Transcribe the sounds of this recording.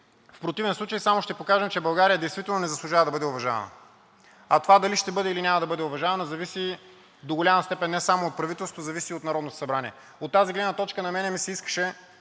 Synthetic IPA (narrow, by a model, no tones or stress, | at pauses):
fpɾot̪ivɛnslˠut͡ʃəjsamoʃt̪ɛpokaʒɛmt͡ʃɛbɐlˠɡaɾijəd̪ɛjst̪vit̪ɛlˠnonɛzɐslˠʊʒavəd̪ɐbɤd̪ɛovɐʒavɐ̰nə̰ | ɐt̪ovad̪ɐliʃt̪ɛbɤd̪ɛilinʲamɐd̪ɐbɤd̪ɛovɐʒavɐnɐzɐvisi | d̪oɡolʲamɐst̪ɛpɛnːɛsamoːt̪̚pɾɐvit̪ɛlˠsot̪ozɐvisiot̪nɐɾɔd̪not̪o̥sɐbɾaniɛ̰ | ot̪ːaziɡlɛd̪nɐt̪ɔt͡ʃkənɐmɛnɛmisɛiskə̥ʃɛ